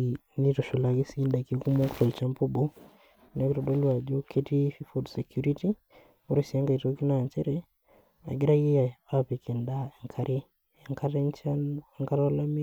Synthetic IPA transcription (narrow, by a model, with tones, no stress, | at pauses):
ni˦tɔ˨ʃɔ˨la˨ki˦si˦nda˨ki˦ku˦mo˦ktɔ˨lt͡ʃa˦mpo˦bo˦ | na˨˦ki˦ɾɔ˨do˦lwa˨d͡ʒo˦kʰe˦ti˦fi˦fo˦dsɛ˨kju˦ɾi˦ti˦ | o˦ɾe˨si˨a˦ŋɡa˨i˨to˦ki˦na˨nt͡ʃɛ˦ɾɛ˦ | a̰˨ɡɪ˦ɾa˦ji˦ja˨a˦pe˨kɛ˨nda˦ɛ˨ŋkʰa˦ɾe˦˨ | ŋka˦nt͡ʃa˦˨ŋka˦ɾa˦la˦mi˦